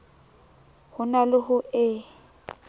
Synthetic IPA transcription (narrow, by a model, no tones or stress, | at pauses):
hʊnalʊɦʊʔɪ